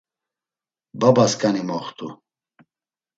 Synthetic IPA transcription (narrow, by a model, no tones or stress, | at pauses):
babaskʼanimɔχt̪ʼṵ